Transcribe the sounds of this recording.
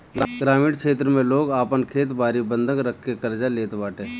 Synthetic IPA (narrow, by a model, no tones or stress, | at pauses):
ɡɾaːmiːɽkʰeːt̪ɾəmẽloːɡaːpənkʰeːt̪baːɾibə̃nd̪ʱəŋɡɾəkʰkekɐɾd͡ʒaleːt̪baːʈe